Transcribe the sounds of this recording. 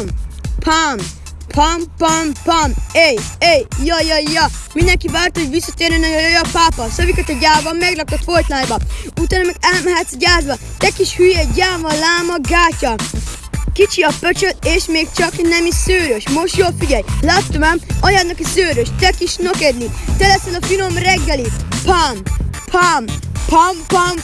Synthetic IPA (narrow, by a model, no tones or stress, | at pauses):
mpʰam | pʰampampamejejjɒjɒjɒmind̪ɛŋkivaːrt̪oɟvisːɒt̪eːɾɛnɒjojojɒpaːpɒsøvikɔt̪ɔɟaːvɒmɛɡrɒk̚t̪ot̪fojt̪naːjbɒut̪aːnɔmɛɡɛlmɛɦɛt̪sɟaːzʋɒt̪ɛkiʃhyjɛɟaːvɒlaːmɒɡaːcɒ | kit͡ʃiɒpøt͡ʃøt̪eːʃmeːkt͡ʃɒknɛmisøːɾøʃmo̞ʃt̪joːlfiɟɛjlat̪ːomamɒjaːd̪nɒkisøːɾøʃt̪ɛkiʃnokɛd̪nit̪ɛlɛsɛnɒfino̞mrɛɡːɛlipamʰ | ampʰampam